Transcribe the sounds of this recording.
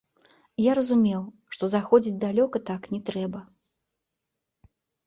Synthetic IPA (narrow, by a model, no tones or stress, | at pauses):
jaɾɐzumʲɛw | ʂt̪ɔzaxɔd͡zʲit͡sʲd̪alʲɔkɐt̪aknʲɛt̪ɾɛbɐ